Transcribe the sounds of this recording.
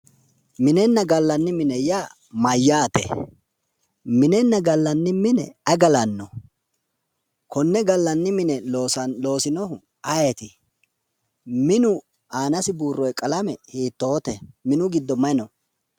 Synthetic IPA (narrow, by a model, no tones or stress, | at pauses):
mɪnɛnːɐɡɐlːɐnːɪmɪnɛja | mɐjːaːt̪ɛ̰ | mɪnɛnːɐɡɐlːɐnːɪmɪnɛ̰ɐɡɐlɐnːɔ | kʰɔnːɛɡɐlːɐnːɪmɪnɛosɐlo̞ːsɪnɔhʊ | ɐjet̪ɪ | mɪnʊ | aːnɐsɪbuːrːɔjkʼɐlɐmɛhiːt̪ːo̞ːt̪ɛmɪnʊɡɪd̪ːɔmɐjnɔ